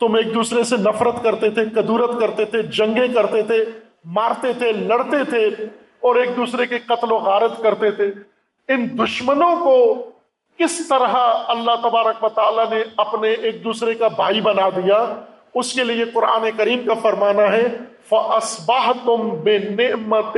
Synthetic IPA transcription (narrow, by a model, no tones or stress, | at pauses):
t̪ʊmeːk̚d̪uːsɾesenɐfɾət̪kɐɾt̪et̪ʰeqɐd̪uːɾət̪kɐɾt̪et̪ʰed͡ʒɐ̃ŋɡẽkɐɾt̪et̪ʰe | maːɾt̪et̪ʰelɐɽt̪et̪ʰe | ɔːɾeːk̚d̪uːsɾekeqɐt̪loɣaːɾət̪kɐɾt̪et̪ʰe | ɪnd̪ʊʃmənõko | kɪst̪ɐɾɦaɐlːaɦt̪ɐbaːɾəkʋɐt̪aːlaneɐpneʔeːk̚d̪uːsɾekabʱaːibɐnad̪ija | ʊskelieqʊɾa̰ːnekɐɾiːmkafɐɾmaːnaɦɛ | fɐʔɐsbɐɦt̪ʊmbɪnɪʔmət̪